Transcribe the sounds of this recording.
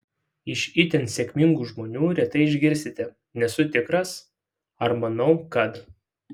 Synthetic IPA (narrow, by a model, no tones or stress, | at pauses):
ɪʃʲɪt̪ʲɛnsʲɛkʲmʲɪŋɡuːʒmoːnʲuːɾʲɛt̪ɐɪɪʒʲɡʲɪɾʲsʲt̪ʲɪt̪ʲɪ | nʲɛsʊt̪ʲɪkɾɐs | ɐɾmɐnɒʊkɐt̪